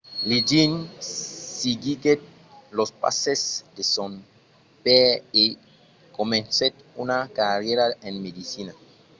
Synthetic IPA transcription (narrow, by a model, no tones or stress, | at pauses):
lid͡ʒin | siɡiɡet̪̚ | lospa̰sesd̪eson | pee | komẽnset̪unakarjeɾaenmed̪isina